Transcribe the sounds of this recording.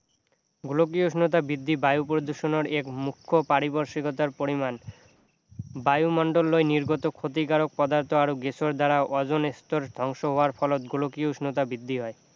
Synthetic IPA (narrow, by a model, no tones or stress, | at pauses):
ɡulok̬ioʃnot̪̬abɾid̪ːibajupɾod̪uʃonoɾekmukʰːopaɾiboɾʃikot̪aɾpoɾiman | bajumɔɳɖolːoeniɾɡot̪okʰot̪̬ikaɾok̚pɔd̪aɾt̪ʰoaɾoɡesʰoɾd̪aɾaʔɔd͡ʑonest̪oɾd̪ʱɔŋʃoɦoaɾfɔlot̪ɡulokiuʃnot̪̬abɾid̪ʱːiɦɔe